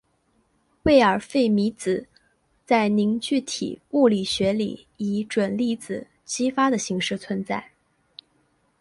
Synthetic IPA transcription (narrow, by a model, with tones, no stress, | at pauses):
we˥˩ɪə˞˨˩fe˥˩ɪmi˧˥t͡sɹ̩˨˩ | t͡sa˥˩ɪni˧˥ŋt͡ɕy˥˩t̪ʰḭ˨˩u˥˩li˨˩ɕɥɛ˧˥li˨˩ | i˧˥ʈ͡ʂwə˨˩nli˥˩t͡sɹ̩˨˩ | t͡ɕi˥fa˥d̪ə˨ɕi˧˥ŋʂɻ̩˥˩t͡sʰwə˧˥nt͡sa˥˩ɪ